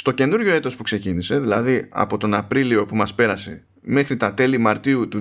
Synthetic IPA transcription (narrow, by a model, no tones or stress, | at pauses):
st̪o̞ce̞nuɾʝo̞e̞t̪o̞spukse̞cinise̞ðilɐðiɐ̰po̞t̪o̞nɐpɾilio̞pumɐspe̞ɾɐse̞ | me̞xɾit̪ɐt̪e̞limɐɾt̪iut̪u